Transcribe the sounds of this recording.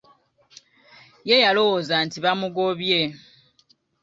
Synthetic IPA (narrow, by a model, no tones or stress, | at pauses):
je̞jalo̞wozantiβamuɡo̞βje̞